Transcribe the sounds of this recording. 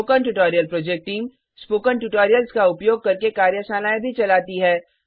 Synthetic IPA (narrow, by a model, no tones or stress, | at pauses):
oːkənʈuʈɔːɾijəlpɾɔːd͡ʒek̚ʈʈiːm | spoːkəɳʈuʈoːɾijəlskaʊpjoːɡ̚kɐɾkekaːɾjəʃaːnaːẽbʱit͡ʃɐlaːt̪iɦɛː